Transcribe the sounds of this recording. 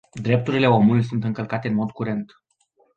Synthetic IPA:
d̪ɾe̞p̚t̪uɾile̞o̞mulujsunt̪ɨŋkəlkat̪e̞ɨnmo̞d̪kuɾe̞nt̪

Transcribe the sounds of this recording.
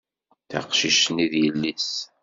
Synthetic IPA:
θæ̰qʃiʃniðjəlːis

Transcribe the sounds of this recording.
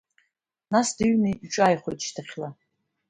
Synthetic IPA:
nasdɨɥnɨʈ͡ʂʼajχʷojtʰʼʃtʰaχʲla

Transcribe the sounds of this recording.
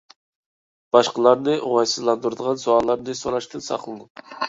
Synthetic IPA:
b̥ɑʃqəlˠɑɾnɨʔoʁɑjsɨzlˠɑnd̪uɾd̪əʁɑnsoɑːlˠɑɾnɨsoɾɑʃt̪ʰɨnsɑ̰χlˠɨd̪u

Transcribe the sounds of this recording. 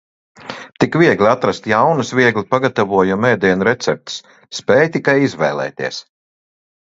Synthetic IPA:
t̪ikviɛɡlʲat̪ɾast̪jawnusvʲiɛɡlʲipaɡat̪avuɔjumɛːd̪iɛnuɾɛt̪sɛp̚t̪sː | pɛːjt̪ikajizvɛ̰ːlˠɛ̰ːt̪ḭɛs

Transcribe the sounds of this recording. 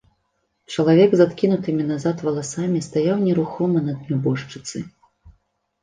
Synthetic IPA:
t͡ʂɐlˠavʲɛɡzat̪kʲinut̪ɨmʲinazat̪vɐlˠasamʲist̪ajawnʲɛɾuxɔmɐnɐd̪mʲubɔʂt͡ʂɨt̪sɨ̰

